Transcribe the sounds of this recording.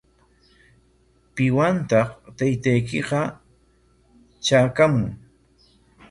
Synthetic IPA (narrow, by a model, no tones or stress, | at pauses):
pɪwant̪ɑχt̪ajt̪ajkɪqɑ | t͡ʃaːkamʊŋ